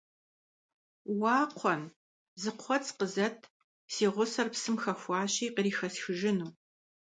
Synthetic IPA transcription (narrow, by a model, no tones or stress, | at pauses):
wɑːqʷʰɔn | zɨqʷʰɔt͡sqəzɐtʰ | siːʁʷʊsɐrpsɨmxɐxʷɑːɕiːqəɾiːxɐsxɨʒɪnuː